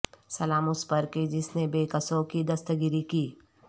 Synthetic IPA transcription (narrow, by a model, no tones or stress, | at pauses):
sɐlaːmʊspəɾkid͡ʒɪsnebeːkɐsõkid̪ɐst̪əɡɪɾikiː